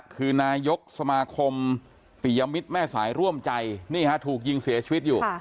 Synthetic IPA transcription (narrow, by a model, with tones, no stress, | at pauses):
kʰɯː˧naː˧jo˦˥k̚sa˧maː˧kʰo˧m | pi˨˩˦ja˧mi˦˥t̪̚mɛː˥˩sa̰ː˩˦jɾu˥˩əmt͡ɕa˧jniː˥˩kʰa˦˥t̪ʰuː˨˩k̚ji˧ŋsi˩˦ɐt͡ɕʰiː˧wi˦˥t̪̚juː˨˩